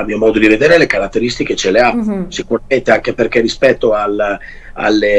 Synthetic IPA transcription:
almiːomɔːd̪od̪ived̪eːɾelekaɾat̪ːeɾist̪ik̟et͡ʃeleasikuɾament̪eaŋk̟eperkerːispɛt̪ːoal | a̰lːe

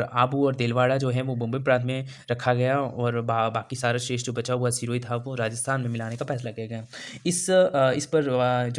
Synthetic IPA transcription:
aːbuɔːɾd̪eːlʋaːɽad͡ʒoːɦɛʋobʊ̃mbəipɾãːnt̪ʰmẽ | ɾɐkʰːaɡɐjaɔːɾbbaːkisaːɾaʃeːʃd͡ʒobɐt͡ʃaɦʊasiɾoːit̪ʰaʋoɾaːd͡ʒəst̪ʰaːnmẽmɪlaːnekafɛːs̬laɡɐjaɡɐjaːɪsɪspɐɾd͡ʒ

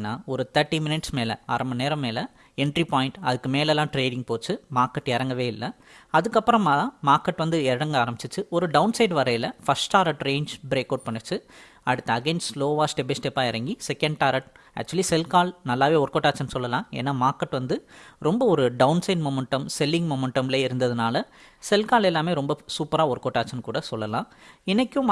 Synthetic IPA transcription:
nːaːɔɾɯt̪ɐɾʈːimɪnɪʈsmeːlɐ̰aːɾɐmɐneːɾɐmːeːlɐ | ɛɳɖɾipaːjɪ̃ɳʈɐðɯkːɯmeːlɛlːãːʈɾeːɽɪ̃ŋɡ̚poːt͡ʃːɯmaːɾkɐʈːɛɾɐŋɡɐʋeːɪlːɐ | ɐðɯkːɐpːɾɐ̃maãːmaːɾkɐʈːʋɐnd̪ɯɛɽɐŋɡɐaːɾɐmbɪt͡ʃːɯt͡ʃːɯɔɾɯɖɐʊnsɐɪɖʋɐɾɐjɪlɐfɐsʈaːɾɐʈɾeːɲd͡ʒbɪɾeːkːɐʊɖ̚pɐɳːɯt͡ʃːɯ | ɐɽɯt̪ːɐɐɡeːnssloːʋaːsʈɛbɪsʈepːaːɪɾɐŋɡisɛkːɐɳɖʈaːɾɐʈ̚ | æ̰ːk̚t͡ʃʊɐlisɛlkaːɭnɐlːaːʋeːɔɾɯkoːʈːaːt͡ʃɐnsɔlːɐlãːḛːnːaːmaːɾkːɐʈːʋɐnd̪ɯɾɔmbɐɔɾɯɖɐʊnsɐɪɖmoːmɛɳʈɐmsɛlːɪ̃ŋɡmoːmɛɳʈɐmɪleːɪɾɯnd̪ɐðɯnaːlɐ | sɛlkaːlɛlːaːmeːɾɔmbɐsuːpɐɾaːɔɾɯkoʈːaːt͡ʃɐnkuːɽɐsɔlːɐlã̰ːɪnːɐkʲːʊ̃m

